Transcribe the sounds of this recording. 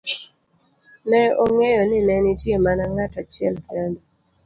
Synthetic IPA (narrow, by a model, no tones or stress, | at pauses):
nɛoŋɛjɔnɪnɛnɪtjemanaŋatat͡ʃɪɛ̰lkɛdɔ